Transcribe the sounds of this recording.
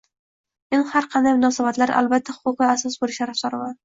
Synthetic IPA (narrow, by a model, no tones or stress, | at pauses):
menhaɾqʰɑnd̪ajmʊnɒsabat̪laɾʔa̰lbat̪ʰːahʊ̥qʊqɨasɒsbolɪʃaɾafd̪ɒɾɪman